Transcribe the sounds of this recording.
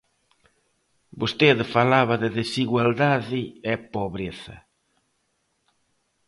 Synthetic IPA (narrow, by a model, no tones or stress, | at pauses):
bust̪eðfalaβɐðɪðesiɣwald̪aðiɛpoβɾeθɐ̰